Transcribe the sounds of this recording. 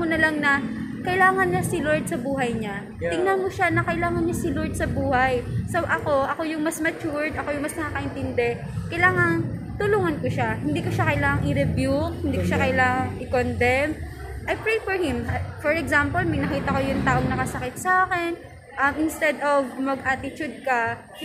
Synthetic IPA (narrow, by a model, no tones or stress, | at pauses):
onɐlaŋnɐ | kɐʔɪlaːŋɐnːɐsɪloɹd̪̚sɐbuːɦɐjɲa | t̪ɪŋnɐnmoʃanɐkɐʔɪlaːŋɐnɲɐsɪloɹd̪̚sɐbuːhɐjsowʔɐkoʔɐko̞jʊŋmɐsmɐt͡ʃuɹd̪ʔɐko̞jʊŋmɐsnɐkakɐʔɛnt̪ɪnd̪ɛ | kɐjlaːŋɐŋt̪ʊluːŋɐnkoʃahɪnd̪iːkoʃakɐjlaːŋɐŋʔɪɾɛbjuk̚hɪnd̪iːkoʃakɐjlaːŋɐŋɪkond̪ɛm | ʔɐjpɹejfɔɹhɪmfɔɹɛɡsampolmɐɡnɐkiːt̪ɐko̞jʊŋt̪aːʔo̞ŋnɐkɐsɐkɪt̪̚saːkɛn | ʔɐmʔɪnst̪ɛd̪ʔovmɐɡ̚ʔaːt̪ɪt͡ʃʊd̪̚kɐ